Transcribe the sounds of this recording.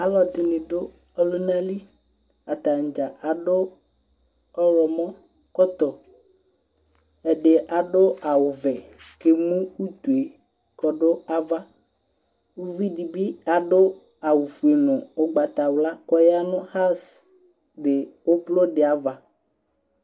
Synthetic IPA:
a˨˦lɔ˨d̪ɪ˨nĩ˨ɖo˦ | ɔ˦lo˦nã˦li˦ | a˨t̪a˨ŋ̩˨d͡ʒa˨a˨ɖo˦ | ɔ˦lɔ˨mɔ̃˦ | kɔ˦t̪ɔ˨ | ɛ˨ɖe˨ʔa˨ɖo˦a˨wʊ˨vɛ˨ke˦mũ˦u˦t̪u˨e˨ | kɔ˨ɖo˦a˦va˦ | wu˦vi˦ɖi˨bi˦a˨ɖo˦ | a˨wu˨fu˨e˨nʊ̃˨o˦ɡ͡ba˨t̪a˨wla˦kɔ˦ja˦nʊ̃˦xa˦s | de˨wo˦blo˦ɖe˨a˨va˨

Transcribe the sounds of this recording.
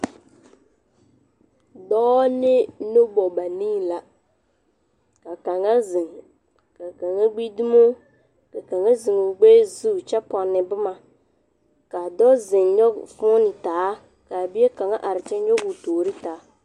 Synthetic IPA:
dɔː˦nɪ˦no˦bɔ˨ba˨niː˦˨la˨ | ka˨ka˨ŋa˦zɪ˨ŋ˨ | ka˨ka˨ŋa˦ɡ͡bi˦di˦mo˦ | ka˨ka˨ŋa˦zi˨ŋo˨ɡ͡beː˦zu˦˨t͡ʃɛ˦pɔ˨nːɪ˨bɨ˦ma˨ | ka˨dɔ˦zɪ˨ŋɲɔ˦ɡfʊ˦nɪ˨taː˨˦ | ka˨bi˦e˦ka˨ŋa˦ʔa˨ɾɪ˨t͡ʃɛ˦ɲɔ˦ɡu˨toː˨ɾi˦taː˨˦

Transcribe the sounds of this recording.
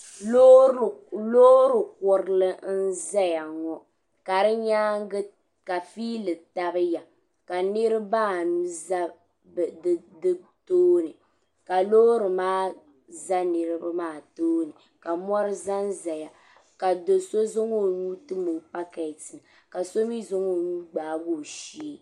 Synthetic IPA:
lo˦ɾɨ˨kʊ˨ɾɨ˦lɨ˦n̩˦za˦ja˨ŋɔ˦ | ka˨ɾɨ˦ɲaː˦ɡɨ˦ | ka˨fiː˦lɨ˨ta˦bɨ˦ja˨ | ka˨nɨ˦ɾɨ˦baː˦˨nu˦za˦˨˦ | dɨ˦toː˦nɨ˨ | ka˨lo˦ɾɨ˨maː˦ | za˦nɨ˨ɾɨ˦ba˦maː˦˨toː˦nɨ˨ | ka˨mɔ˦ɾɨ˦za˦n˦za˨ja˨ | ka˨do˨so˦zo˦ŋo˦˨nuː˦tɨ˦mu˨pa˦ka˨tɨ˨ | ka˨so˦mi˦zʊ˦ŋo˦˨nuː˦ɡ͡baː˨bo˦˨ʃi˨˦

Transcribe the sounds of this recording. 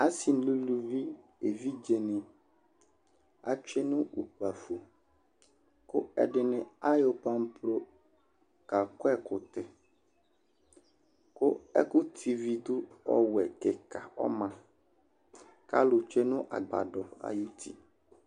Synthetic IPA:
a˦si˨n˨˦lu˦lu˦vi˦e˨vi˦d͡ʒe˨nɪ̃˨ | a̰˦t͡ʃᶣɛ˦nʊ̃˦u˨k͡pa˨fo˨ | kʊ˦ɛ̰˨ɖɪ˨nɪ̃˦a˦jo˨pa˦m˦pɾo˦ | ka˨kʊ˦ɛ˦kʊ˨t̪ɛ˨ | kʊ˦ɛ̰˦kʊ˦t̪ʰi˨vi˨d̪ʊ˦ɔ̰˦wɛ˨kɪ˨kʰa˨ɔ̰˦mã˨ | ka̰˦lʊ˨t͡ʃᶣe˦nʊ̃˦ʔa̰˨ɡ͡ba̰˨dɔ˨a̰˨ju˦t̪ʰḭ˨

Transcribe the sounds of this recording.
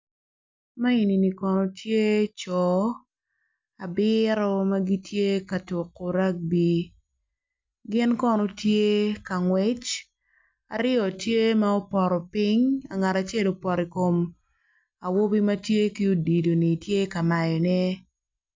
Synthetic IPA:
ma˦i˨ni˨ni˨kɔ˨nɔ˨tje˦t͡ʃɔ˨ | a˨bɪɾɔ˦ma˦ɡi˦tje˦ka˨tʊ˨ko˨ɾa˦k̚bi˦ | ɡɪ˦nkɔ˦nɔ˦tje˦ka˨ŋwɛ˦t͡ʃ | a̰˨ɾɪ˦ɔ˨tje˦ma˦o˦pɔ˨ɾɔ˨pi˦ɲa˨ŋa˨ɾa˨t͡ʃe˦˨lo˨pɔ˨ɾi˨ko˨m | a˨wo˦bi˦ma˦tje˦ki˦o˦di˨do˨ni˨tje˦ka˨ma˨jɔ˨nɛ˦

